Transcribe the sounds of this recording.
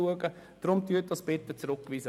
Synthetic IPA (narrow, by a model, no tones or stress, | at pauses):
uəɡə | d̥rʊmtyət̚d̥ɑsb̥ɛt̪ːət͡srʊkːviːsə